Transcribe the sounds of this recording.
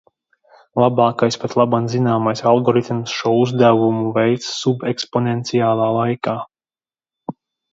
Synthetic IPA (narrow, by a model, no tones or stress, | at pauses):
lˠabaːkajspat̪lˠabanzinaːmajsalˠɡɔɾit̪msʃuɔuzd̪ævumuvɛjt̪ssubeksponent̪siaːlˠaːlˠajkaː